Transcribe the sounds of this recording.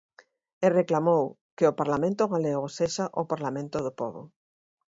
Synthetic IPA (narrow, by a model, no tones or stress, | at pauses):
ereklamow | kɪopaɾlamẽnt̪ʊɣaleɣoseʃaʔʊpaɾlamẽnt̪ʊðʊpɔ̰βʊ̰